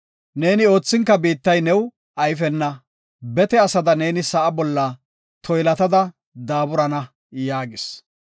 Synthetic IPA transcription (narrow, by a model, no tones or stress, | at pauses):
ne̞ːnɪo̞ːt͡sːɪŋkːɐbiːt̪ːɐjnɛw | ʔɐjfɛnːɐ | bɛt̪ɛɐsɐd̪ɐne̞ːnɪsɐʔɐbɔlːɐ | t̪ʰɔjlɐt̪ɐd̪ɐ | d̪aːbʊɾɐnɐ | jaːɡɪs